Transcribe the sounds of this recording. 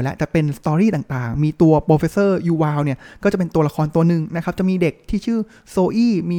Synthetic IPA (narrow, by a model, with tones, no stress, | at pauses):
lɛ˦˥ʔt͡ɕɛ˨˩pe˧nst̪ɔː˧ɾiː˥˩t̪aː˨˩ŋt̪aː˨˩ŋmiː˧t̪u˧ɐpɾoː˧fe˦˧˥sɤː˥˩juː˧waː˧wni˥˩ɐkɔː˥˩t͡ɕa˨˩pe˧nt̪u˧ɐla˧kʰɔː˧nt̪u˧ɐnɯ˨˩ŋna˦˥kʰa˦˥p̚t͡ɕa˨˩miː˧de˨˩k̚t̪ʰiː˥˩t͡ɕʰɯː˥˩ | soː˧ʔiː˥˩miː˧